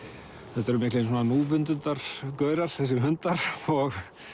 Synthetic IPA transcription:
θɛt̪ɛɾʏmɪklejns̬ɔnamuːvʏnt̪ʏnt̪aɾ̥kœːɥɾaɾ̥θɛs̬ɪmhʏnt̪aɾ̥ɔɣ

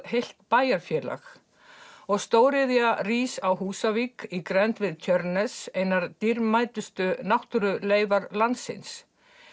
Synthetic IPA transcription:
hejl̥t̪paːjaɾfjɛːla̰x | ɔɣst̪oːwɾɪðjariːsawɦuːsaviːkikɾɛnt̪vɪðt̪ʰœɾnɛseːjnaɾt̪iɾmaːjt̪ʏst̪ʏnawht̪ʏɾʏleːjvaɾlant̪sɪ̰ns

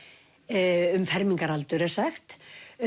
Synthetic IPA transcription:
ʏmfɛɾmiŋkaɾalt̪ʏɾɛɾ̥saxt̪

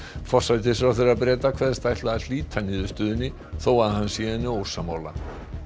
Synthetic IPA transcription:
fɔr̥sajt̪̬ɪsɾawθeɾɾapɾɛːt̪akʰvɛɾðst̪ajht̪laðal̥iːt̪ʰanɪðʏst̪ʏːðɪnːɪ | θowvaðhanːsjɛːɪnːɪowsamaːwla̰

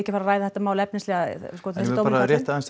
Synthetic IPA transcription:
ɛhcɪfaːɾaɾaːjðaθɛt̪amaːwlɛpnɪnst̪lɛɣaskɔθɛssowaːɾaɾjɛht̪aans

